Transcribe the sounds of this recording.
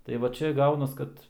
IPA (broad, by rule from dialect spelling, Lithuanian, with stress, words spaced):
tɐɪ ˈʋɐ ˈt͡ʃʲɛ ˈɡɐʊnɐs ˈkɐt